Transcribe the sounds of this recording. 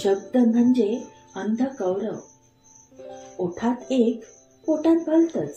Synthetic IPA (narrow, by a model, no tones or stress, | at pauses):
ɕəɡd̪əm̤əɳd͡ʑe | ənd̪ʱəkəwɾəʋ | oʈʰat̪ek | koʈat̪̚bʱəlt̪əs